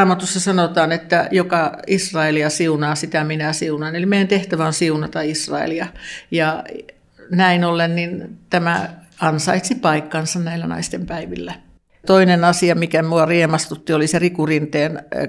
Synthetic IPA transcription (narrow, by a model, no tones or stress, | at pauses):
mɑt̪usːɑsɑnot̪ɑːnet̪ːæjokɑisrɑeliɑsiunɑːsit̪æminæsiunɑinelimeijænt̪eht̪æʋæonsiunɑt̪ɑisrɑ̰ḛliɑjɑ | næinolːennint̪æmæ | ɑnsɑit̪sipɑikːɑnsɑnnæilːænɑ̰ist̪empæiʋḭlːæ | t̪oinenɑsiɑmikæmuɑriemɑst̪ut̪ːioliserikurint̪eːn